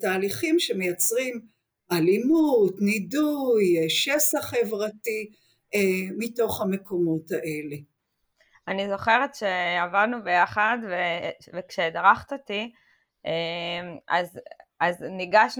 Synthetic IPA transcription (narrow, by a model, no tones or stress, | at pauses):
taːliχimʃeme̞jat͡sʁim | ʔalimutnidujʃesaχe̞vʁati | emito̞χhame̞ko̞mo̞taʔe̞le | anizo̞χe̞ʁetʃeavadnubejaχadvevekʃed̪aʁaχt̪oti | ʔemazazniɡaʃn